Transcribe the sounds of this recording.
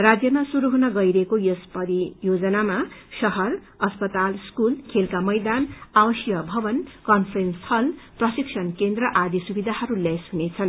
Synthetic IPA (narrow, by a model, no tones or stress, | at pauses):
rad͡zjʌmasuɾuɦunʌɡʌjɾʌɦekojʌspʌɾijod͡zʌnamasʌɦʌr | ʌspʌt̪alskulkʰelkamʌjd̪anawʌsjʌbʱʌbʌnkʌnpʰrenst̪ʰʌlprʌsiksʰʌnkend̪rʌʔad̪ʱisubid̪ʱaɦʌɾulesɦunet͡sʰʌn